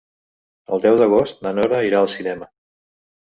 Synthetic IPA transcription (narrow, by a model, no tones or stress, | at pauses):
əlˠd̪ɛwðəɣ̞ost̪̚nənɔɾəiɾaəlˠsinɛmə